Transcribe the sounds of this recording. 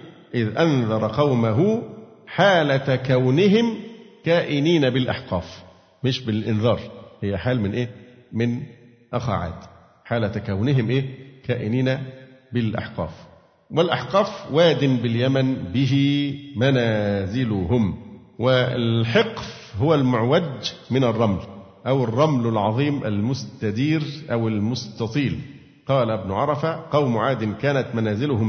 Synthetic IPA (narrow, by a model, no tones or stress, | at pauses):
ʔɪðʔanðˤɑɾˤɑqɑwmaɦʊħaːlæt̪kæwnɪɦɪmkæːʔɪniːnæbɪlʔɑ̰ħqɑːf | mɪʃbɪlʔɪnðɑːɾˤhɪjːæħaːlmɪnʔeː | mɪn | ʔaxa̰ːʕa̰ːt̪ | ħaːlæt̪kæwnɪɦɪmʔeːkæːʔɪniːnæbɪlʔɑ̰ħqɑ̰ːf | wɪlʔɑ̰ħqɑːfwæːd̪ɪnbɪljæmænbɪɦɪmænæːzɪlʊɦʊm | wɪɪlħeqf | ɦʊwælmʊʕwad͡ʒmɪnɑrˤːɑml | ʔæwɪrˤːɑmlɪlʕɑðˤiːmʔæ̰lmʊst̪æd̪iːɾʔæwɪlmʊst̪ɑt̪ˤiːl | qɑːlæɪbnʊʕɑɾˤɑfaqɑwmʊʕaːd̪ɪnkæːnæt̪mænæːzɪlʊhʊm